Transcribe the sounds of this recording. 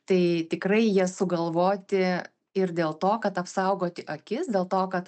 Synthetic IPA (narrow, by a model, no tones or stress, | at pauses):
t̪ɐɪt̪ʲɪkrɐɪjiɛsʊɡɐlˠʋoːt̪ʲɪ | ɪrd̪ʲeːlˠt̪oːkɐt̪ɐpsɐʊɡoːt̪ʲɪʔɐkʲɪsd̪ʲeːlˠt̪oːkɐt̪